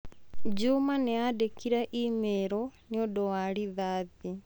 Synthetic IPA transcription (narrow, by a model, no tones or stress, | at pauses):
d͡ʒumaneadekiɾɛʔimeɾɔniodowaɾiðaði